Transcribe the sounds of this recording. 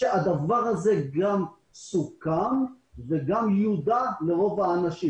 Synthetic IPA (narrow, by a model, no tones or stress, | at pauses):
ead̪avaʁaze̞ɡam | sukan | veɡamjud̪ale̞ʁo̞vaːnaʃi